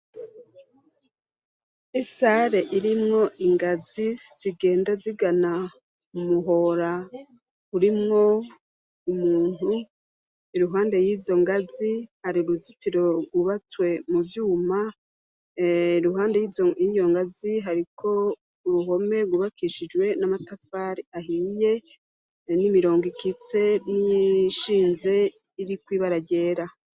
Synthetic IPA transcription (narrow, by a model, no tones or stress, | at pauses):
isaɾe̞ʔiɾimŋo̞ʔiŋɡaziz̥iɡe̞ːndaziɡana | mumuɦoɾa | uɾimŋo̞ | umuːn̥hu | iɾuɦaːnde̞jiːzo̞ŋɡazihaɾiɾuzutiɾo̞ɡwuβat͡swe̞muvjuːma | ɾuɦaːndejijijo̞ŋɡaziɦaɾikʰo̞ | uɾuɦo̞me̞ɡuβakiʃid͡ʒwe̞namatafaːɾiaɦije̞ | nimiɾo̞ːŋɡikit͡se̞niʃiːnze̞ | iɾikwiːβaɾaɟe̞ːɾa